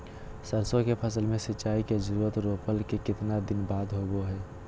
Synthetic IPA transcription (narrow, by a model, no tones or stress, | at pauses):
səɾsõkepʰəsəlmẽsɪːt͡ʃːaːikezəɾuːɾət̪ɾoːpəlkekɪt̪nad̪ɪnbaːd̪ɦoɡoɦɛː